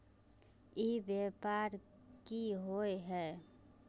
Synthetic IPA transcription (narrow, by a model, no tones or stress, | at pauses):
ibeːpaːɾ | kiɦoeɦɛː